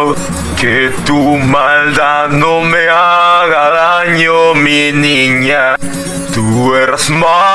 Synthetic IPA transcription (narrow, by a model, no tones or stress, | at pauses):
l | ket̪umand̪anomeaɣaɾaɲominiɲa | t̪uɛɾsma